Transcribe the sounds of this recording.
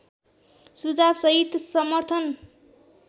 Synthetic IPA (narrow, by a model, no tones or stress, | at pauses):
sud͡zabsʌɦit̪sʌmʌrt̪ʰʌn